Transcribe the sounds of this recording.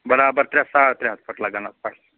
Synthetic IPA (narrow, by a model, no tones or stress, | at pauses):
bəɾabəɾt̪ɾãsaɭt̪ɾɛ̃ɦəspəʈlaɡanat͡spal